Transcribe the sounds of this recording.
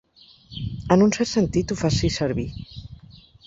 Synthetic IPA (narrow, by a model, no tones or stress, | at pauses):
ənunsɛɾt̪sənt̪it̪ufasisəɾβi